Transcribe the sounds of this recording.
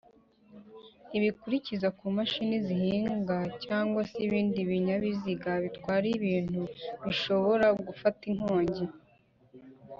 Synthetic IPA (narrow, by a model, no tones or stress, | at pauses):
iβikuɾicizakuːmaʃinizihiːŋɡacaːŋɡwaseiβiːndiβiɲaβiziɡaβitkwaːɾiβiːn̥huβiʃo̞βo̞ɾaɡufatin̥ho̞ːɲɟe